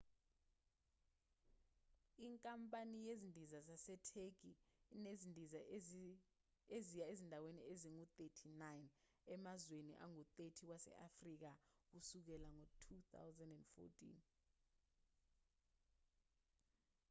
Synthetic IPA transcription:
iŋkʼampʼanijezindʱizazasɛtʰekinezindʱiza | ezijaezindʱawenieziŋut̪ʼetʰinajn | ɛmazwenḭʔa̰ŋut̪ʼetʰiwasɛ̰ʔafrik̬ak̬usuk̬ɛlaŋotʰut̪ʰa̰wzandɛndfɔ̰tʰʼḭn

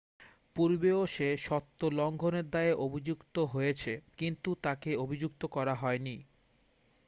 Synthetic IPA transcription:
puɾbeoʃeʃɔt̪ːolɔŋɡʱoneɾd̪aeʔobʱid͡ʑukt̪oɦojet͡ɕʰekint̪ut̪akeobʱid͡ʑuk̚t̪okɔɾaɦɔeni

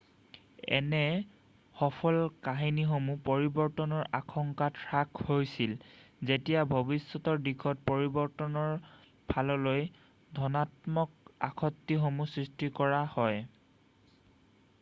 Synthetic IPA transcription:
ɛ̰nɛ | xɔpʰɔlkaɦinixomupoɹibɔɹtɔnɔɹʔaxʰɔŋkatʰɹakʰhojsilzetijabʱobisːɔtɔɹdikʰɔt̚poɹibɔɹtɔnɔɹ | bʰʱalɔloj | dʱɔnatmɔk̚a̰kʰɔtːiɦomusɹistikɔɹahɔj

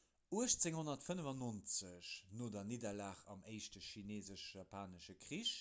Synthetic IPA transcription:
uəʃt͡seŋhonɐtfənəvɑnont͡səɕnoːdɐnidɐlaːχɑ̰meɪʃtəʃineːzəʃapʰaːnəʃəkʁiʃ

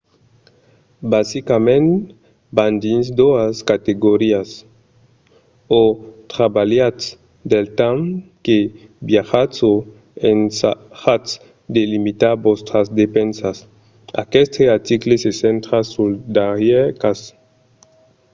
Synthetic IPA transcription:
basikamẽnt̪ | band̪insd̪oaskat̪eɡoɾias | ot̪ɾabaljat̪s | d̪elt̪amkebjaxat͡so | ensaxat̪s | d̪elimit̪aɾbost̪ɾazd̪epensas | a̰kest̪ʰeaɾt̪iklesesent̪ɾasuld̪aɾjekas

